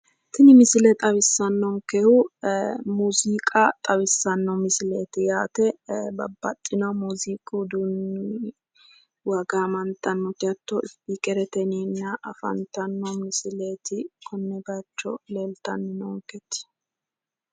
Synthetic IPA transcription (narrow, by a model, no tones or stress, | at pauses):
t̪ɪnɪmɪsɪlɛt̪ʼɐβɪsːɐnːɔŋkɛhʊ | muːziːkʼɐt̪ʼɐβɪsːɐnːɔmɪsɪleːt̪ɪjaːt̪ɛbɐbːɐ̰t̪ʼːɪnɐwmuːziːkʼud̪un | wɐɡaːmɐnt̪ɐnːɔt̪ɪɐt̪ːɔɪpːikʼɛɾɛt̪ɛniːnːɐʔɐfɐ̰nt̪ɐnːɔmɪsɪleːt̪ɪkʰɔnːɛbɐt͡ʃːɔ̰leːlt̪ɐnːɪnɔŋkɛt̪ɪ̥